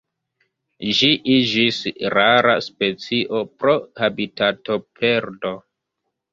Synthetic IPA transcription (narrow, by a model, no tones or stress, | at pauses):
ʒiʔid͡ʒisɾaɾa̰spe̞t͡siʔo̞pɾo̞habitato̞pʰe̞ɾdo